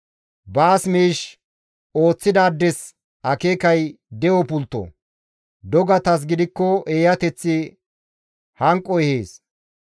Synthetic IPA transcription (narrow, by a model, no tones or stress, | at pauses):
baːsmiːʃ | o̞ːt͡sːɪd̪aːd̪ːɛs | ɐkeːkɐj | d̪ɛwɔpʊlt̪ːɔ̰ | d̪ɔɡɐt̪ɐs̬ɡɪd̪ɪkːɔeːjɐt̪ɛt͡sːɪ | hɐŋkʼːɔɛheːs